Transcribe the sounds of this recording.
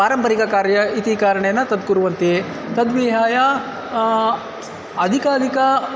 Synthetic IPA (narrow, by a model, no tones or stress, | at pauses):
aːɾɐmpɐɾikɐkaːɾjɐit̪ikaːɾɐɳejɐnːɐt̪ɐd̪̚kuɾuʋɐnt̪i | t̪ɐd̪ʋiɦaːjɐ | ɐd̪ʱikaːd̪ʱikɐ